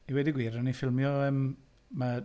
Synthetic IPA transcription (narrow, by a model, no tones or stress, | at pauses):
iwɛdɪɡwiːɾanifɪlˠmjɔəm | ma